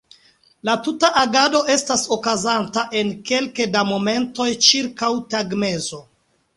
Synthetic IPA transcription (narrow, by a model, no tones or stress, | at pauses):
latutaʔaɡado̞ʔe̞staso̞kazantaʔe̞nke̞lkedamo̞me̞nto̞jt͡ʃiɾkawtaɡme̞zo̞